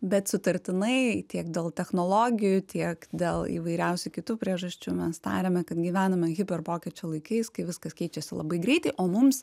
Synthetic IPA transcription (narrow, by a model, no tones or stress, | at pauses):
bʲɛt̪sʊt̪ɐɾʲt̪ʲɪnɐɪt̪ʲiɛkd̪ʲeːlˠt̪ʲɛxnoːlˠoːɡʲɪjut̪ʲiɛkd̪ʲeːlˠḭːʋɐɪɾʲɛʊsʲʊkʲɪt̪uːpʲɾʲiɛʒɐsʲt͡ʃʲumʲɛst̪ɑ̰ːɾʲeːmʲɛkɐt̪ɡʲiːʋʲæːnɐmʲɛɣʲɪpʲɛrpoːkʲɛt͡ʃʲoːlˠɐɪkɐɪskɐɪʋʲɪskɐskʲɛɪt͡ʃʲɛsʲɪlˠɐ̰bɐɪɡɾʲɛɪt̪ɐɪʔoːmʊms